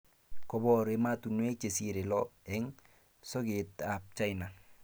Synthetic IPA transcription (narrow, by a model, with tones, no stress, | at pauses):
kɔ˨bɔ˦ɾe˦ma˦tu˨nwe˦t͡ʃe˨si˦ɾe˨lɔ˦ɛ˦ŋ | sɔ˦ke˨ta˨p̚t͡ʃa˦jna˨